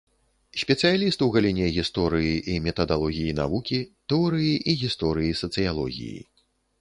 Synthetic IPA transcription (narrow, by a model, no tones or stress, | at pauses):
sʲpʲɛt̪sɨjalʲist̪ɨwɣɐlʲinʲɛɣʲist̪ɔɾɨjiʔimʲɛt̪ɐd̪alˠɔɣʲijina̰vukʲit̪ɛɔɾɨjiʔiɣʲist̪ɔɾɨjisɐt̪sɨjalˠɔ̰ɣʲḭjḭ